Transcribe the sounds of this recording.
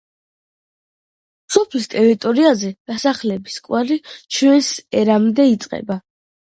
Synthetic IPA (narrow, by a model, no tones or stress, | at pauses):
sɔpʰlist̪ʼɛɾit̪ʼɔɾiazɛd̪̥asaχlɛbiskʼwaɾit͡ʃʰwɛnsɛɾamd̪ɛit̪sʼqʼɛ̰ba